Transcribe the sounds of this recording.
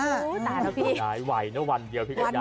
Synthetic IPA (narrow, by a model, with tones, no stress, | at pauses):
t̪aː˨˩nɔ˦˥pʰiː˧˩aː˨˦jwa˨˩jnɯ˦˥wa˧ndi˧pʰi˦˥kʰːa˧